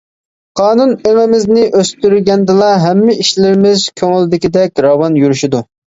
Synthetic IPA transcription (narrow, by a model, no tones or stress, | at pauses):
qʰɑːnuneŋɪmɪznɪʔøst̪yɾɡʲɛnd̪ɨlˠɑɦɛmːɪʔiʃlɪɾɪmɪz̥kʲʰøŋɪlˠd̪ɪkʲid̪ɛk̚ʲɾɑwɑnjyɾyʃid̪u